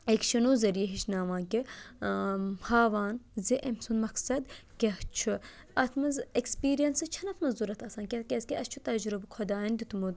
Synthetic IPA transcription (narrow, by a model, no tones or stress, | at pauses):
ekʃɐnoːzɐɾijɐɦiʃnaːmaːkʲi | haːʋaːnziʔemsunmɐksɐd̪kʲɐht͡ʃʰu | ɐt̪ʰmɐzekspiːɾijɐnsɨt͡ʃʰɐnɐt̪ʰmɐzzuɾɐt̪ʰɐsɐːnkʲɛt̪̚kʲeskʲiʔɐst͡ʃʰut̪ɐd͡ʒɾubɨkʰɐd̪aːɐnd̪it̪umud̪